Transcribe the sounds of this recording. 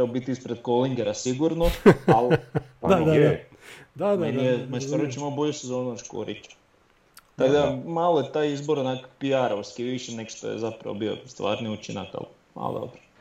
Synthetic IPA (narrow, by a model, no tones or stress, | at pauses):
aobit̪iispɾed̪̚koliŋɡeɾasiɡuɾnoalpa̰e | d̪aeniemaskoɾot͡ʃimaoboʎusezoːnuoʃko̰ɾḭt͡ʃḁ | t̪aɡd̪amalˠojet̪aːjizboɾonakopiaɾauskiʋiʃenekʃt̪o̰jḛzapɾa̰ʋo̰bio̰st̪ʋa̰ːɾniut͡ʃina̰ka̰l | ma̰lo̰d̪o̰bɾo̥